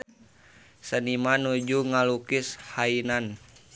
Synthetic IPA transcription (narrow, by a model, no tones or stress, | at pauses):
sənimanud͡ʒuŋalukishainan